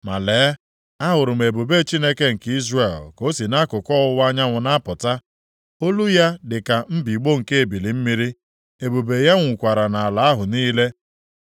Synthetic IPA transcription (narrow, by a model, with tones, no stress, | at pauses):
ma˨leː˨˦ | a˦ɦʊ˨ɾʊ˨m̩e˨bo˨be˦t͡ʃi˦ne˦ke˦ŋ̩˨ki˦zre˨lko˦si˨na˦kʊ˨kɔ˦ʊ˦wa˦ɲa˦ŋʷʊ˨na˦pʊ˨ta˦ | o˦lu˦ja˦dɪ˨ka˨m̩˦bi˨ɡ͡bo˦ŋ̩˨ke˦e˨bi˨li˨m̩˦mi˦ɾi˦ | e˨bo˨be˨ja˦ŋʷ˨kʷa˨ɾa˨na˨a˨la˨˦a˦ɦʊ˨niː˦le˦